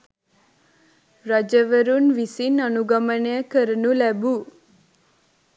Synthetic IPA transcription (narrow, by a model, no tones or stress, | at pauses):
ɾad͡ʒəʋəɾunʋisinənuɡəmənejəkəɾənulɛbu